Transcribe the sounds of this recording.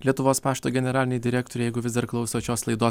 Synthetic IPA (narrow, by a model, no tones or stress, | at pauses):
lʲiɛt̪ʊʋoːspɑːʃʲt̪oːɡʲɛnʲɛɾɑːlʲɪnʲɛd̪ʲɪɾʲæːk̚t̪oɾʲjɛɪɡʊʋʲɪzd̪ɐɾklˠɐʊsʲːt͡ʃʲoːslˠɐɪd̪oː